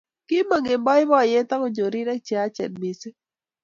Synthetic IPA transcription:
ki˦ma˨ŋe˨mbɔ˦ɪ˦bɔ˦˨jɛ˦t̪a˦ko˦ɲd͡ʒo˨ɾi˦ɾɛ˦k̚t͡ʃɛ˨a˦t͡ʃɛ̰˨nmi˨sɪ˦

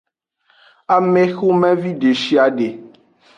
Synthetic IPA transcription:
a˨me˦xo˦mɛ̃˦vi˦ɖe˨ʃi˦a˨ɖe˨

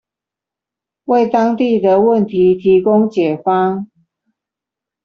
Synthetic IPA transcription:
we˥˩ɪt̪ɑ˥ŋt̪i˥˩d̪ə˨wə˥˨nt̪ʰi˨˦t̪ʰi˨˧˥kʊ˥ŋt͡ɕjɛ˨˩fɑ˥ŋ

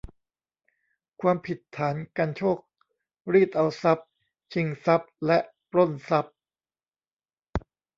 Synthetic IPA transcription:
kʰwaː˧mpʰi˨˩t̪ʰːaː˩˦nka˧nt͡ɕʰoː˥˩k̚ | ɾiː˥˩t̪̚ʔa˧wsa˦˥p̚ | t͡ɕʰi˧ŋsa˦˥p̚lɛ˦˥ʔ | ɾo˥˩nsa˦˥p̚

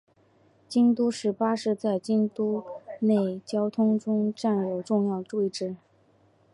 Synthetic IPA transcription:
t͡ɕi˥nt̪u˥ʂɻ̩˥˩pa˥ʂɻ̩˥˧t͡sa˥˩ɪt͡ɕi˥nt̪u˥ne˥˩ɪt͡ɕjɑ˥ʊt̪ʰʊ˥ŋʈ͡ʂʊ˥ŋʈ͡ʂa˥˩njo˨˩ʊʈ͡ʂʊ˥˧ŋjɑ˥˧ʊʈ͡ʂwe˥˧ɪʈ͡ʂɻ̩˥˩

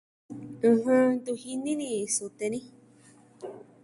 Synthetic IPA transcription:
ɨ̃˧hɨ̃˧d̪u˧hi˧nĩ˦nĩ˧su˧t̪e˧nĩ˦

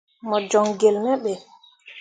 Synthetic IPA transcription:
mɔ˨d͡ʒɔ˨ŋɡe˨lmɛ˦ɓɛ˨

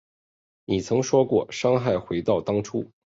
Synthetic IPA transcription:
ni˨˩t͡sʰɤ˧˥ŋʂwɔ˥kwɔ̰˥˩ʂɑ˥ŋxa˥˩ɪxwe˧˥ɪt̪ɑ˥˩ʊt̪ɑ˥ŋʈ͡ʂʰu˥

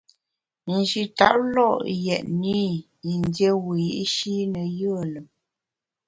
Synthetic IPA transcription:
n̩˨d͡ʒi˨ta̰˦˨ʔlɔ˦˨ʔjɛ˨ʔni˦ | i˨ndje˦wi˨ji˦ʔʃi˦nə˨jə˦˨lə˨m

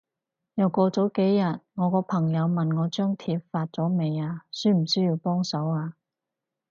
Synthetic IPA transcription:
jɐ˨˩wkɔː˧t͡sɔː˨˥wke˨˥jːɐ˨t̚ŋɔː˨˧kɔː˧pʰɐ˨˩ŋjɐ˨˧wmɐ˨nŋɔː˨˧t͡ʃœː˥ŋt̪ʰiː˧p̚faː˧t̚t͡sɔː˨˥me˨˧jaː˧syː˥m̩˨˩syː˥jiː˧wpɔː˥ŋsɐ˨˥waː˧

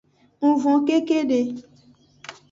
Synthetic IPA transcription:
ŋ̩̃˨vɔ̃˨ke˦ke˦ɖe˨

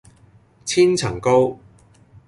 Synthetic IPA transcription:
t͡sʰiː˥nt͡sʰɐ˨˩ŋko˥w

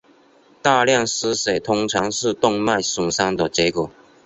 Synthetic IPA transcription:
t̪a˥˧ljɑ˥˨ŋsɹ̩˥se˨˩ɪt̪ʰʊ˥ŋt͡sʰɑ˧˥ŋʂɻ̩˥˧t̪ʊ˥˧ŋma˥˨ɪsu˨˩ŋsa˥ŋd̪ə˨t͡ɕjɛ˧˥kwɔ˨˩˦

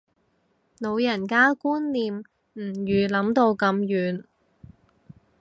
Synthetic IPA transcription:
no˨˧wjɐ˨˩nkaː˥kuː˥nliː˨˧m | m̩˨˩jyː˨˩lɐ˨˥mt̪o˧wkɐ˧mjyː˨˧n

